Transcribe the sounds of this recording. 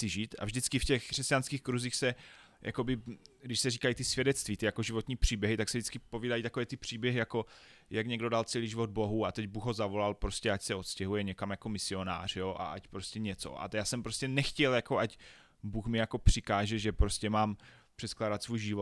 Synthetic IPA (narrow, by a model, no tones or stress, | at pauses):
sɪʒiːt̪a̰vʒdɪt͡skɪfcɛxkr̝̥ɛscanskiːxkɾuziːxsɛ | ja̰ko̞bɪɡdɪʃsɛriːkajit̪ɪsvʲjɛdɛtt͡st̪viːt̪ɪjako̞ʒɪvot̪ɲiːpr̝̥iːbjɛɦɪt̪aksɛvʒdɪt͡skɪpo̞viːdajit̪ako̞vɛːt̪ɪpr̝̥iːbjɛɦɪjako̞jakɲɛɡdo̞dalt͡sɛliːʒivo̞d̪̚bo̞ɦuat̪ɛɟbuxɦo̞zavo̞lalpɾoscɛacsɛo̞t̪scɛɦujɛɲɛkamjako̞mɪsɪo̞na̰ːr̝̥joʔa̰ʔacpɾo̞scɛɲɛt͡so̰ʔa̰jaːsɛmpɾoscɛnɛxcɛljako̞ʔac | buːxmɪjako̞pr̝̥ɪkaːʒɛʒɛpɾoscɛmaːmpr̥ɛt̪klaːdat̪svujʒɪvo